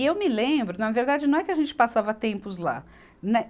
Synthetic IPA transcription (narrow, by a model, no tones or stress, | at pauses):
ewmɪlẽbɾʊnɐveɾd̪ad͡ʒɪnɐ̃w̃ɛkɪɐʒẽnt͡ʃɪ̥pasavɐt̪ẽmpʊzla̰ | nɛ